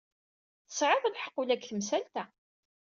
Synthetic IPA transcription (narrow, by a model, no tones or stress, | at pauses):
θə̥sʕɪðˤlħə̥qːulækθəmsælt̪æ